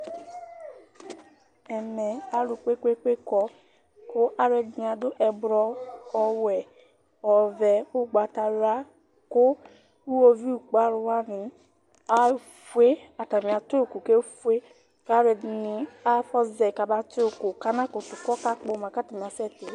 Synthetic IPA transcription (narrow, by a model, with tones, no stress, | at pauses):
ɛ˨mɛ˨a˨ɾu˨k͡pʷe˦kʷe˦kʷe˦kɔ˦ | kʊ˦ʔa˦ɾɛ˨dn˨a˨dʊ˦ʔɛ˨bɾɔ˦ɔ˦wɛ˨ | ɔ˨vɛ˨u˦ɡ͡ba˨ta˨ɾa˦ | kʊ˦ | u˦wo˦vi˦˨k͡pa˦ɾu˨˦wa˦ni˨ | a˦ | fu˦e˦a˨ta˨mi˨a˨to˦˨ku˨ke˦fe˦ | ka˦ɾɛ˨dni˨a˦fɔ˦zɛ˨ka˨ba˦to˦˨ku˨ka˦na˦kʊ˨tu˨kɔ˦ka˦k͡po˨ma˨ka˦ta˨mi˨a˨sɛ˦˨te˨˦